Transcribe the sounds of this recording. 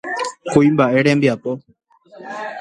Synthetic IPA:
kuimbaʔe̞ɾẽmbiapo

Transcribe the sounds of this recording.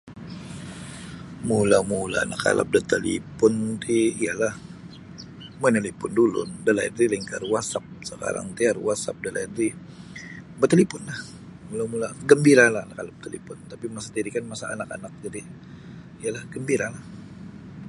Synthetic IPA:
mulamula̰ːnaka̰la̰p̚dət̪əlḭpʊnt̪iːjalah | mənəlipʊndulʊ̰ndəlaidɾiliŋkarwasap̚səka̰ɾa̰ŋt̪iarwasa̰p̚dəlʔaidɾi | bət̪əlipʊnlah | mulamulaɡəmbiɾalahanakalap̚t̪əlḭpʊnt̪apimasat̪iɾikanmasaa̰naka̰nak̚d͡ʒadi | ijalahɡəmbiɾalah

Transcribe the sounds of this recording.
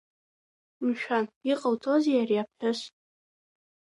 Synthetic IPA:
mʃᶣʷaniqʼəwtʰozejarjap̚ʰħᶣas

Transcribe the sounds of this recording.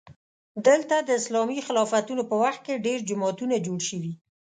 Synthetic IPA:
d̪əlt̪ad̪əɪslɑmixɪlɑfat̪unopəwaxt̪̚keɖeɾd͡ʒʊmɑt̪unad͡ʒoɽʃəwi

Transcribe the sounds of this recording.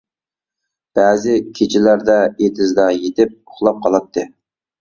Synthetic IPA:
b̥æːzɪkʲʰet͡ʃʰɪlæɾd̪ɛet̪ʰɪzd̪ɑjet̪ʰɪp̚ʊ̥χlˠɑp̚qʰɑlˠɑt̪ʰːɨ

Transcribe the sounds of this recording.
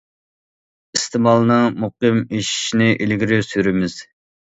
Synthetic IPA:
ist̪ʰɪmɑlˠnɨŋmuqɨmiʃi̥ʃnɪʔilɡʲiɾɪsyɾɪmɪz̥

